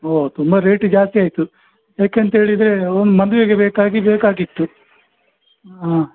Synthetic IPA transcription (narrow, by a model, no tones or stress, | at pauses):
oːt̪umbɐɾe̞ːʈd͡ʒaːst̪iaːjt̪u | jaːkeɐnt̪ɦe̞ːɭid̪ɾe̞ond̪umɐnd̪uʋeɡebeːkaːɡibeːkaːɡit̪ːu | aː